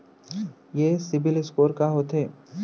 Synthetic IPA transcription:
jeːsɪbɪlɪskoːɾkaɦoːt̪ɦeː

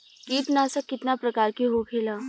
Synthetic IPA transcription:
kiːt̪naːsəkːɪt̪napɾɐkaːɾkiɦokʰeːlaː

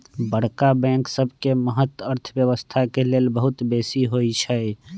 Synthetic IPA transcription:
bəɽkabɛ̃ŋksəbʱkeməɦət̪ːəɾt̪ʰbjəβəst̪ʰakelelbəɦut̪besiɦojt͡ʃʰəj

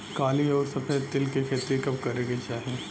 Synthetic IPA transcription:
kaːliɔːɾsɐfeːt̪ɪlkekʰeːt̪ɾekɐbkɐɾeːɡet͡ʃaːɦie

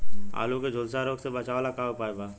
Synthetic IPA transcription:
a̰ːloked͡ʒʱolsaɾoːɡsebət͡ʃaʋalakaːopaːebaː

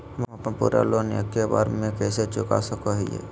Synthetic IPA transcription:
mmɐpnepṵːɾa̰lona̰keba̰ːɾmẽkɛːset͡ʃʊka̰səkoɦijḛː

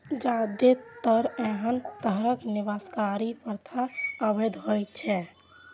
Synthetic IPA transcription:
d͡ʒad̪et̪əɾeɦənt̪əɦɾəkniʋəskaɾipəɾt̪ʰaəbed̪ɦojt͡ʃʰɛ

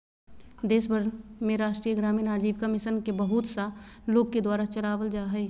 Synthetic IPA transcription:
d̪eːsbʱəɾmẽɾaːʃʈɾijəɡɾaːminaːd͡ʒiːʋkəmɪʃənkebɐɦʊt̪saloːɡ̚ked̪waːɾat͡ʃɐlaːʋəld͡ʒaːɦɛ

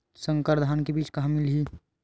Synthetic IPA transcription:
sə̃ŋkəɾd̪ʱaːnkebiːt͡ʃkaɦmilɦi

